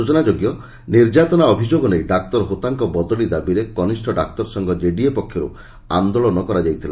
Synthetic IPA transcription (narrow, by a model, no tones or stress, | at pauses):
ut͡ʃɔnad͡ʒoɡjɔ | niɾd͡ʒat̪ɔnaɔbʱid͡ʒoɡɔnejɖak̚t̪ɔɾɔɦot̪aŋkɔbɔd̪ɔɭid̪abiɾekɔnisʈʰɔɖa̰kt̪ɔɾsɔŋɡɔd͡ʒeɖiepɔkʰːjɔɾṵ | a̰nd̪oɭɔnɔkɔɾad͡ʒajt̪ʰila